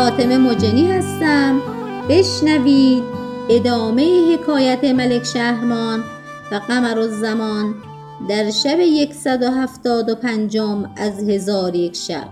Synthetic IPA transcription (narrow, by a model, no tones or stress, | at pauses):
fɒːt̪ʰeme̞mod͡ʒeniːhæst̪æmb̥e̞ʃnæviːd̪̚e̞d̪ɒːme̞jihe̞kʰɒːjæt̪ʰemælekʰʃæhmɒːn | væɣæmæɾozːæmɒːn | d̪æɾʃæbejekʰsæd̪oɦæft̪ɒːd̪opʰænd͡ʒomæzhe̞zɒːɾje̞kʰʃæ̰b̥̚